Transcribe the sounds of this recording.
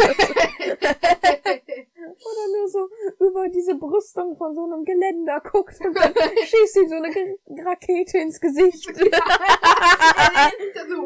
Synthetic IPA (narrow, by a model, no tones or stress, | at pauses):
ʔoːdɐnuːɐzoːʔyːbɐdiːzəbʁʏstʊŋfɔnzoːnəmɡəlɛndɐkʰʊktʊntd̥anʃiːstiːzoːnəɡʁakʰeːtʰəɪnsɡ̥əzɪçt